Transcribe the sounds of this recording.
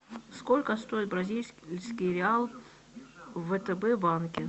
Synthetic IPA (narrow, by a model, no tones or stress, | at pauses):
skolʲkəst̪o̞jɪt̪̚bɾɐzʲilʲsʲskʲɪɾʲɪalˠ | vət̪əbɛbankʲɪ